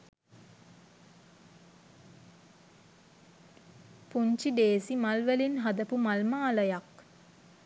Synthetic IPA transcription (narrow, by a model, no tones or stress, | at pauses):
puɲt͡ʃiɖeːsimalʋælinɦad̪əpumalmaːləjak